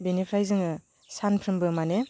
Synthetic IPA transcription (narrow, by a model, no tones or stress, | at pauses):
benipʰɾajzɯŋɯ | sanpʰɾɯmbɯmane